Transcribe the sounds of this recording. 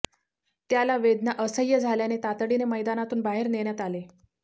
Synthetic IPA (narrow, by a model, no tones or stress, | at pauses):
t̪jalaʋed̪nəʔəsəjːəd͡zʱaljanet̪at̪əɽineməjd̪anat̪uːnbaɦeɾneɽjat̪ale